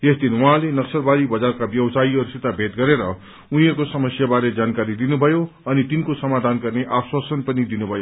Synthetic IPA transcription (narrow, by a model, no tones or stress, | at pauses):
esd̪ʱinwuɦãlenʌksʌrbad̪ibʌd͡zarkabjʌwsaiʌɾusit̪abʱet̪ɡʌɾeɾʌ | uɦĩjekosʌmʌsjabaɾed͡zankaɾid̪inubʱʌjoʌnit̪inkosʌmad̪ʱanɡʌrneʔaswasʌnpʌnid̪inubʱʌjo